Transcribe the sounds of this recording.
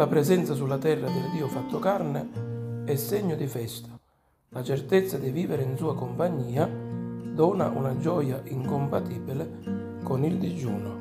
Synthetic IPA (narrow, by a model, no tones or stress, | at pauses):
lapɾɛzɛnt̪sasulːat̪ɛrːad̪ɪld̪iːʊfat̪ːʊkarnɪɛsːeɲːʊd̪ifɛst̪ʰḁ | lat͡ʃɛrt̪et̪sːad̪iviːvɪɾɪinsuːakʊmpaɲːiːad̪ɔːna̰ʔṵnad͡ʒɔːjaʔiŋkʊmpat̪iːbilɪ | kʊnild̪id͡ʒuːnʊ